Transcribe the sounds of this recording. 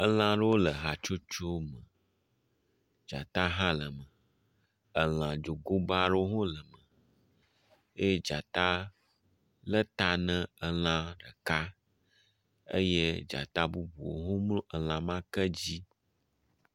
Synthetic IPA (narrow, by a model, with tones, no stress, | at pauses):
ə˦l̃ã˦ɖə˦wo˦lə˨ɦa˨t͡ʃo˦t͡ʃo˦mə̃˨ | d͡ʒa˨t̪a˦ɦã˦lə˨mə̃˨ | ə˨l̃ã˨d͡ʒo˨ɡo˦ba˦ɖə˦o˦ɦõ˦lə˨mə̃˨ | e˦d͡ʒa˨t̪a˦ | lə˦t̪a˦nə̃˦ə˦l̃ã˦ɖə˨ka˦ | ə̰˦je˦d͡ʒa̰˨t̪a˦bu˦bu˨o̰˨ɦõ˦mlu˦ʔə˨l̃ã˨mã˦kə˦d͡ʑi˦